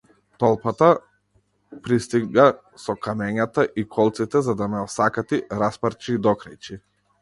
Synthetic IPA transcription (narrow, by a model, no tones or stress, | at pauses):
t̪ɔlˠpat̪a | pɾist̪iɡa | sɔkamɛɲat̪aʔikʰɔlˠt̪sit̪ɛzad̪amɛɔsakat̪iɾaspaɾt͡ʃid̪ɔkɾajt͡ʃi